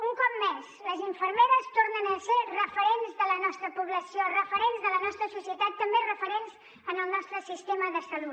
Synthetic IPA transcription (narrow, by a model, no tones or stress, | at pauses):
uŋkɔp̚mɛzləziɱfəɾmeɾəst̪ornənəserəfəɾenzðələnɔst̪ɾəpuβləsiorəfəɾenzðələnɔst̪ɾəsusiət̪at̪ːəmberəfəɾenz | ənəlˠnɔst̪ɾəsist̪eməðəsəlut